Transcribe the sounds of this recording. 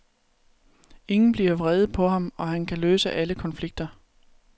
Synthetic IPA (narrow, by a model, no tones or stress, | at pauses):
e̝ŋn̩b̥liɐʋʁɛð̩ˠpʰɒ̽ɦɑ̈mɒ̽ɦænkʰæløːsəʔæləkʰɒ̽nfliɡ̥̚d̥ɐ